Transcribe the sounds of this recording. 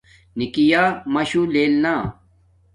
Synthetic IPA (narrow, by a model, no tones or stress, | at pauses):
nikijaːmɐɕuleːlnaː